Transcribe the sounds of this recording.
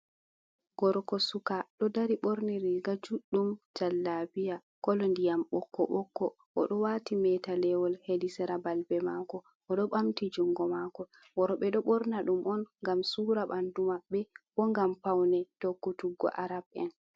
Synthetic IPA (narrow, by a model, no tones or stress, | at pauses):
ɡ̥ɔɾkɔsukaɗɔdaɾiɓɔɾniɾiɡad͡ʒuɗumd͡ʒalːabija | kɔlɔndijamɓɔkːɔɓɔkːɔ | ʔɔ̰ɗɔwaːtimɛtalɛwɔlhedisɛɾabalbɛmakɔ | ʔɔɗɔɓamtid͡ʒuŋɡɔmakɔ | wɔɾɔɓɛɗɔɓɔɾnaɗumʔɔnŋɡamsuːɾaɓandumaɓːɛb̥ɔŋɡampawnɛtokːutuɡɔ̰ʔaɾab̚ɛn